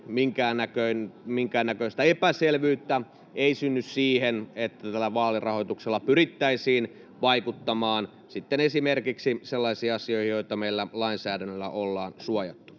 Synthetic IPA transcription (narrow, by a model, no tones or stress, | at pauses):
miŋkæːnːækøinmiŋkæːnːækøist̪æepæselʋyːt̪ːæ | eisynːyssiːhenet̪ːæt̪ælːæʋɑːlirʔɑhojt̪ukselːɑpyrit̪ːæisiːn | ʋɑikut̪ːɑmɑːn | sit̪ːenesimerkiksiselːɑisiːɑsioihijoit̪ɑmeilːælɑinsæːdænːølːæ̰ʔolːɑːnsuɑjɑt̪ːu̥